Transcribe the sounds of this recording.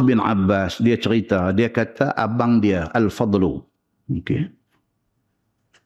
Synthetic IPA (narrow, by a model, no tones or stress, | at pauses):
bɪnʕa̰bːasdiat͡ʃəɾit̪adiakat̪ʰaʔabaŋdiaʔalfɑd̪ˤlu | okḛ